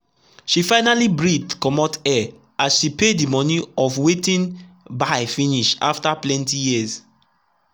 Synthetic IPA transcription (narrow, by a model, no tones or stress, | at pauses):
ʃifaɪnalibɹidkɔmɔtɛ | asʃipedimɔniɔfwetĩn | baɪfĩniʃa̰ftaplɛ̃ntijiəz